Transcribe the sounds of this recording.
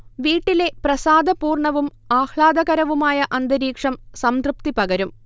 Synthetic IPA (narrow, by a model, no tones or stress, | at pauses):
ʋiːʈːile̞prɐsaːd̪ɐpuːrɳɐʋumaːhɭaːd̪ɐɣɐɾɐʋumaːjɐʔɐnd̪ɐɾiːkʂɐmsɐmt̪rup̚t̪ipɐɣɐɾum